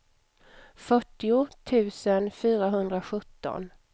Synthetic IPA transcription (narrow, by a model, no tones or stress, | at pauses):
fœʈːɪʊt̪ʰʉ̟ːsənfyːɾaɦɵnd̪ɾaɧɵt̪ːɔ̰n